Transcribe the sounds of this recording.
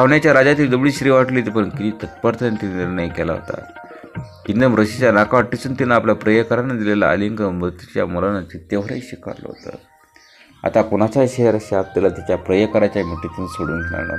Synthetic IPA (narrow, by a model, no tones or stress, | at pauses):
saʋɳjat͡ɕjaɾad͡zat̪iːd̪əbɭiːɕɾiːʋaʈliːt̪ipənkit̪iːt̪ət̪pəɾt̪ʰnt̪inenajkɛla̰ɦo̰t̪a̰ | kind̪əmɾəɕit͡ɕjanakaʋəʈːisuːnt̪inːaːpljapɾəjəkəɾanːad̪ilela̰ə̰liŋɡəmɾut̪ut͡ɕja̰mulanːat͡ɕ̪it̪jeʋəɾa̰iɕika̰ɾlə̰ɦo̰t̪ə̰ | a̰t̪akoɽ̃at͡saɕeəɾaɕap̚t̪ilat̪jat͡ɕjapɾəjəkəɾat͡ɕjamiʈik̪unsoɽṵːnɡ̪ʱeɽ̃a̰ɾna̰ɾ